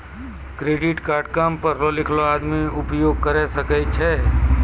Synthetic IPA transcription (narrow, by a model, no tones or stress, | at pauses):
kɾeɖiʈkaɾɖkampəɾlolikʰload̪miupjoɡ̚kəɾɛsəkət͡ʃʰɛ